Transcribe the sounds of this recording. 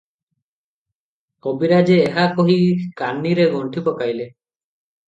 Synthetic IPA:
kɔbiɾad͡ʒeːɦakɔɦikanːiɾeɡɔɳʈʰipɔkajle

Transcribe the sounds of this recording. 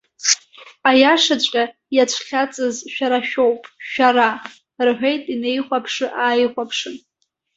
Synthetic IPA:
ajaʂat͡ɕʷʼkʲʼa | jat͡ʃʷʰχʲat͡sʼɨzʃᶣaɾaʃᶣowpʼʃᶣaɾa | rħʷᶣejtʼine̞jχʷapʰʂɨʔaːjχʷapʰʂɨn

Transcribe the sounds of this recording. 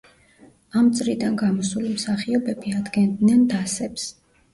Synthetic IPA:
amt̪sʼɾid̪anɡamɔsulimsaχiɔbɛbiad̪ɡɛnd̪nɛnd̪asɛps

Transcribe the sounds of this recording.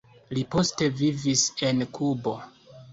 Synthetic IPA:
lipo̞ste̞vivise̞nkʰubo̞

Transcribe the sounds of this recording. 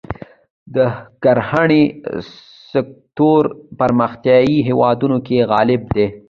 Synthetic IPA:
d̪əkaɾhaɳe | sɪk̚t̪oɾpaɾməxt̪jɑiɦewɑd̪unokeɣɑlɪb̚d̪e

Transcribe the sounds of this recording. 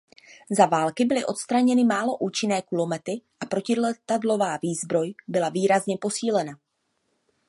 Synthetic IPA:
zavaːlkɪbɪlɪʔo̞t̪st̪ɾaɲɛnɪmaːlo̞ʔuːt͡ʃɪnɛːkulo̞mɛt̪ɪʔapɾo̞cɪlɛt̪adlo̞vaːviːzbɾo̞jbɪlaviːɾazɲɛpo̞siːlɛna

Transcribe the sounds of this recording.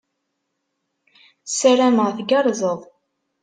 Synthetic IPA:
sæɾæməʁθɡɑɾˤzˤəðˤ

